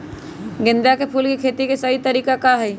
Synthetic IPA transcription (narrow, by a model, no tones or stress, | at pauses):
ɡɪ̃nd̪jakepʰuːlkikʰeːt̪ikesɐɦit̪ɐɾiːkakaɦɛ